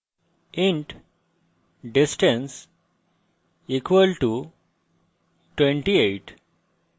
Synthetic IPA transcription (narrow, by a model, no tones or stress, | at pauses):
ɪ̃ɳʈ | ɖɪsʈə̃ns | iːkʋəlʈu | ʈwẽɳʈieːʈ